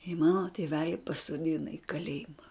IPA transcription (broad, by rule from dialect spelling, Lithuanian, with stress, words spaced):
ɪ ˈmɑːnoː tʲeːˈʋʲæːlʲɪ pɐsoːˈdʲɪnɐ ɪ kɐˈlʲeːjɪmɐ